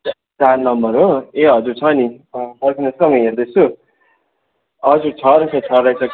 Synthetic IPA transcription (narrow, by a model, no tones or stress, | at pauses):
t͡sarnʌmbʌɾɦoeɦʌd͡zuɾt͡sʰʌnibʌrkʰinesʌmʌjʌd̪esu | ʌd͡zut͡sʰʌɾkʰʌt͡sʰʌɾajt͡sʰʌ